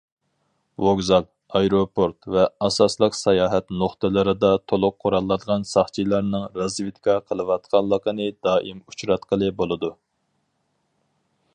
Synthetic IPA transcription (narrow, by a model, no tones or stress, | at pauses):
voɡzɑlˠ | ɑjɾopʰoɾt̪vɛɑsɑslˠəqsɛjɑːɦɛt̪noχt̪ɨlˠɨɾɨd̪ɑt̪ʰolˠʊqʰːoɾɑlˠːɑd̪ʁɑnsɑχt͡ʃʰilˠɑɾnɨŋɾɑzvɨt̪kʰɑqʰəlˠɨwɑt̪qʰɑnlˠːəqənɨd̪ɑːʔimut͡ʃɾɑt̪qəlˠɨbolˠɨd̪u